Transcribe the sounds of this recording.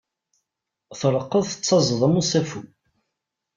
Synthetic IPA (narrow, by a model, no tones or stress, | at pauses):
θɾˤəqːəðθə̥t͡sːɑzˤðˤəmusæfu